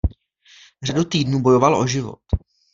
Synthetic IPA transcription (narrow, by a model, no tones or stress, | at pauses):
r̝adut̪iːdnuːbo̞jo̞valo̞̰ʒɪvo̰t̪